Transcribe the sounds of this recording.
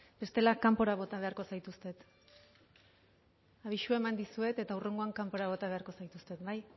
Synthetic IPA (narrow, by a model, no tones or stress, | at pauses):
be̞st̪e̞lakampo̞ɾaβ̞o̞t̪aβ̞e̞aɾko̞sajt̪ust̪e̞t̪ | aβ̞iʃue̞mand̪isue̞t̪e̞t̪aure̞ŋɡo̞aŋkampo̞ɾaβ̞o̞t̪aβe̞aɾko̞sajt̪ust̪e̞t̪baj